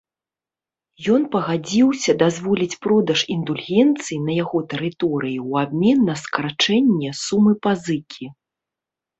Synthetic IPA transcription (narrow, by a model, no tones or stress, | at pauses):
jɔnpɐɣad͡zʲiwsʲɐd̪azvɔlʲit͡sʲpɾɔd̪ɐʂind̪ulʲɣʲɛnt̪sɨjinɐjaɣɔt̪ɛɾɨt̪ɔɾɨjiwabmʲɛnːɐskɐɾat͡ʂɛnʲːɛsumɨpazɨkʲʰi